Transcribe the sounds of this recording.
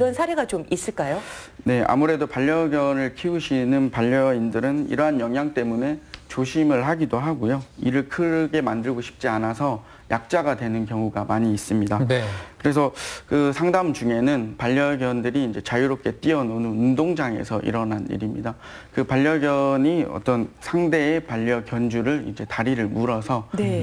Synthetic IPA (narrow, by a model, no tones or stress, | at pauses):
iɾʌnsʰaɾe̞ɡat͡ɕomis͈ɯɭk͈ajone̞a̰muɾe̞dopaʎːʌɡjʌnɯɭkʰiuɕʰinɯnpaʎːʌindɯɾɯnḭɾʌɦanjʌŋɦjaŋt͈e̞mune̞t͡ɕoɕʰimɯɭɦaɡidoɦaɡojoiɾɯɭkʰɯɾɡe̞mandɯɭɡoɕʰi̥p̚t͡ɕ͈ianasʰʌ | jak̚t͡ɕ͈aɡadwe̞nɯnkjʌŋuɡamaɲiːs͈ɯmɲidankɯɾe̞s̬ʰʌkɯsʰaŋdamd͡ʑuŋe̞nɯnpaʎːjʌɡjʌndɯɾiːnd͡ʑe̞t͡ɕajuɾop̚k͈e̞t͈iʌnonɯundoŋd͡ʑaŋe̞̰sʰʌʔḭɾʌnɦanḭɾimɲida | kɯpaʎːʌɡjʌɲiʌ̰t͈ʌnsʰaŋde̞ːpaʎːʌkjʌnd͡ʑuɾɯɭḭnd͡ʑe̞taɾiɾɯɭmuɾʌsʰʌe